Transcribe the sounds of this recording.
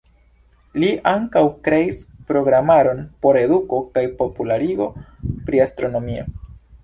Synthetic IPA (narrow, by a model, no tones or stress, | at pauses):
liʔaŋkawkɾe̞ispɾo̞ɡɾamaɾo̞npo̞ɾe̞duko̞kajpo̞pulaɾiɡo̞pɾiastɾo̞no̞mio̰